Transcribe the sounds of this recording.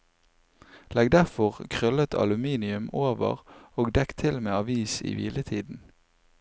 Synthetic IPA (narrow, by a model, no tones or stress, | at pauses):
lɛɡd̪æʁfɔʁkʰʁœlət̪ʰɑ̰lʉmiːnɪʉmoːʋə̰ʁoːɡd̪ɛkt̪ʰɪlmeːɑʋiːsḭːʋḭːlət̪ʰiːd̪n̩